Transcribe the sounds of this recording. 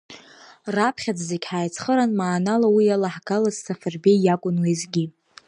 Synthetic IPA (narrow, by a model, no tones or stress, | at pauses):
rapʰχʲad͡zzekʲħaːjt͡sʰχəɾanmaːnalawijalaħɡalazsafɨrbejakʷʼʊnwezɡʲi